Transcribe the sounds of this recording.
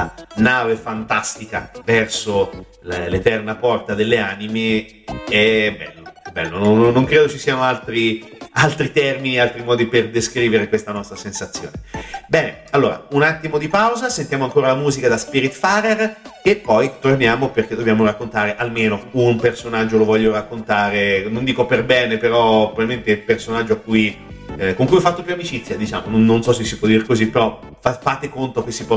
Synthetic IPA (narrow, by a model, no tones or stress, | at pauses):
anaːvefant̪ast̪ika̰vɛrso | llet̪ɛrnapɔrt̪ad̪elːeaːnime | ɛbɛ̰lːoɛbːɛ̰lːononːnːoŋkɾeːd̪ot͡ʃisiːanoalt̪ɾialt̪ɾit̪ɛrminialt̪ɾimɔːd̪iperd̪eskɾiːveɾekwest̪anɔst̪ɾasensat̪sːjo̰ːnebɛːne | alːoːɾa̰unat̪ːimod̪ipawzasent̪jamoaŋkoːɾalamuːzikad̪aspiɾit̪faɾerepːɔjt̪ornjaːmoperk̟ed̪objaːmoɾakːont̪aːɾeʔalmeːnounpersonad͡ʒːolovɔʎːoɾakːont̪aːɾenond̪iːkoperbɛːnepeɾɔpɾovalment̪epersonad͡ʒːoakːujkoŋkujɔfːat̪ːopjuamit͡ʃit̪sːjad̪it͡ʃa̰ːmononːonsɔsesːipwɔd̪iɾekozipːeɾɔ | fafaːt̪ekont̪ok̟esːipɔ